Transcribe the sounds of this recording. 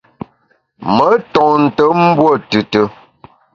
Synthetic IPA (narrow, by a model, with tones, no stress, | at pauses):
mə˨˦tɔ˨n̩˨tə˨˦m̩˦bwo˦˨tʉ˨tə˦